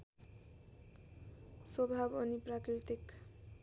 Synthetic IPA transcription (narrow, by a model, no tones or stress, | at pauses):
swʌbʱabʌniprakɾit̪ik